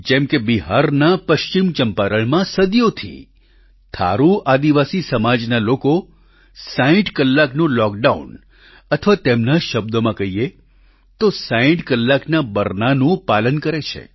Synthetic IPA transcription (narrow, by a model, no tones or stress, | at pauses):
d͡ʒɛmkebiɦaɾnapəʃt͡ʃimt͡ʃəmpaɾəɭmãsəd̪jot̪ʰḭ | t̪ʰa̰ɾuad̪iʋasisəmad͡ʒnaloko | saĩʈkəlːaknũlɔk̚ɖaṵn | ət̪ʰəʋat̪emnaʃəb̚d̪omãkəɦie | t̪osaĩʈkəlːaknabəɾnanũpalənkəɾet͡ʃʰḛ